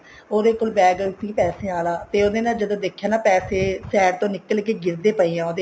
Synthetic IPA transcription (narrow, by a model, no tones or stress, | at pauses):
oːd̪eːkoːlbɛːɡsiːpɛːseːaːlaːt̪eːoːd̪eːnaːld͡ʒəd̪õːd̪eːkʰːjaːnaːpɛːseːsɛːɾt̪õːnɪkəlkeːɡɪɾd̪eːpəiːãːoːd̪eː